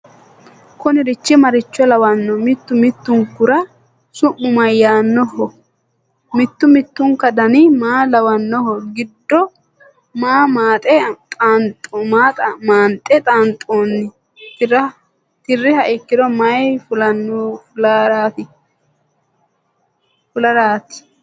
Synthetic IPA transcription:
kʊnɪɾɪt͡ʃːɪmɐɾɪt͡ʃːɔlɐwɐnːɔmɪt̪ːʊmɪt̪ːʊŋkʊɾɐ | sʊʔːʊmɐjːaːnːɔhɔ | mɪt̪ːʊmɪt̪ːʊŋkɐd̪ɐnɪmaːlɐwɐnːɔɦɔɡɪd̪ːɔ | maːmaːt̪ʼɛt̪ʼaːnt̪ʼɔmaːt̪ʼɐmaːnt̪ʼːɛt̪ʼaːnt̪ʼːoːnːɪ | t̪ɐ | t̪ɪrːɪhɐʔɪkːɪd̪ɔmɐjfʊlɐnːlɾaːt̪ɪ | fʊlɐɾaːt̪ɪ̥

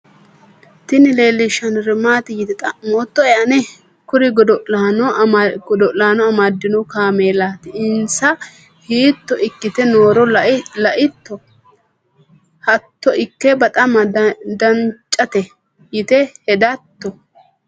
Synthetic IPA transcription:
t̪ɪnɪle̞ːlːɪʃɐnɾɪmaːt̪ɪjɪt̪ɛt̪moːt̪ːɔɛʔɐnɛ | kʊɾɪɡɔd̪ɔʔlaːnɔɡɔd̪ɔʔlaːnɔɐmad̪ːɪnɔkaːmeːlaːt̪ɪɪnsɐ | hiːt̪ːɔʔɪkːɪt̪ɛnoːɾɔlɐʔɪt̪ːɔ | hɐt̪ːɔʔɪkːɛbɐt̪ʼɐmɐd̪ɐnt͡ʃʼːɐt̪ɛ | jɪt̪ɛhɛd̪ɐt̪ːɔ

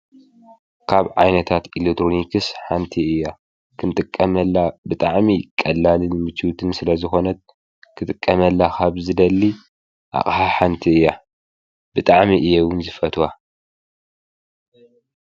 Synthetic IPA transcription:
kʰaβʕa̰jnɐt̪ʰat̪ilekt̪ʰɾonikɨsħant̪ʰiɨjːa | kʰɨnt̪ʼɨkʼːɐmɐlːabɨt̪ʼaʕmikʼɐlːalɨnmɨt͡ʃːiwt̪ʰɨnsɨlɐzɨxo̞nɐt̪̚ | kʰɨt̪ʼɨkʼːɐmɐlːakʰaβzɨd̪ɐlːi | ʔa̰xʼħaħant̪ʰiɨjːa | b̥ɨt̪ʼaʕmiʔɨjːewɨnzɨfɐt̪ʰwa

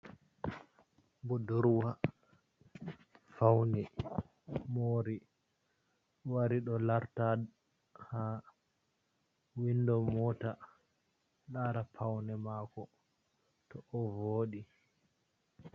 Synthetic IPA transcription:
bɔdɔɾwa | fawnɛ | moːɾi | waɾiɗɔlaɾta | ha | windɔmɔta | ɗaɾapʰawnɛmaːkɔ | tɔʔɔvoːɗi

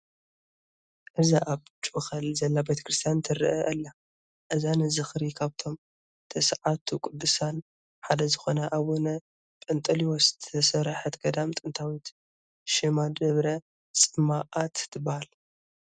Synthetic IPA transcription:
ʔɨzaʔaβt͡ʃʼxɐlzɐlːabet̪ʰɐ̥kɾɨst̪ʰijant̪ʰɨɾɨʔɐʔɐlːa | ʔɨzanɨzɨxɾikʰaβt̪ʰo̞m | t̪ʰɐsʕat̪ʰukʼʊd̪ːɨsan | ħad̪ɐzɨxo̞nɐʔaβonɐ | pʼɐnt̪ʼɐliwɔst̪ʰɐsɐɾħɐt̪ɡɐd̪amt̪ʼɨnt̪ʰawit̪ | ʃɨmad̪ɐβɾɐ | t͡sʼɨmaʔat̪t̪ʰɨbahal

